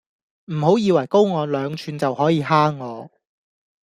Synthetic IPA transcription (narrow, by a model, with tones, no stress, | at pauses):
m̩˨˩ɦo˨˥wjiː˨˧wɐ˨˩jko˥wŋɔː˨˧lœː˨˧ŋt͡ʃʰyː˨˧nt͡sɐ˨whɔː˨˥jiː˨˧ɦaː˥ŋːɔː˨˧